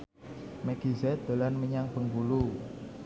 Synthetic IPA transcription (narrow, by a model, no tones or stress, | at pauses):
mɛɡ̥izɛt̪̚d̪̥olanməɲaŋpəŋɡulu